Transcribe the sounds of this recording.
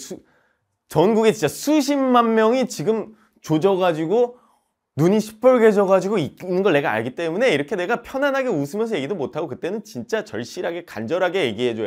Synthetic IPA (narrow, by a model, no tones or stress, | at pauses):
sʰu | t͡ɕʌnɡuɡet͡ɕint͡ɕ͈asʰuɕʰimːanmjʌŋit͡ɕiɡɯm | t͡ɕod͡ʑʌɡad͡ʑiɡo | nuɲiɕʰi̥pʰʌɭɡe̞d͡ʑʌɡad͡ʑiɡoinːɯnɡʌɭne̞ɡaa̰ɭɡit͈e̞mune̞iɾʌkʰe̞ne̞ɡapʰjʌnanɦaɡe̞usʰɯmjʌnsʰʌje̞ɡidomotʰaɡokɯt͈e̞nɯnt͡ɕint͡ɕ͈at͡ɕʌɭɕ͈iɾɦaɡe̞kand͡ʑʌɾɦaɡe̞je̞ɡiɦe̞d͡ʑo